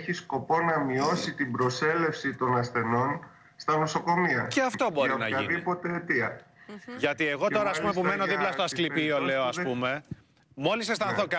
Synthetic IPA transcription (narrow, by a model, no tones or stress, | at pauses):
çisko̞po̞nɐmio̞sit̪imbɾo̞se̞le̞fsit̪o̞nɐsθe̞no̞n | st̪ɐno̞so̞ko̞miɐceɐft̪o̞bo̞ɾinɐʝɐḭniipo̞t̪et̪iɐ | ʝɐt̪ie̞ɣo̞t̪o̞ɾɐspumepume̞no̞ðiplɐst̪oɐsklipio̞le̞o̞ɐspume̞ | mo̞lisest̪ɐnθokɐ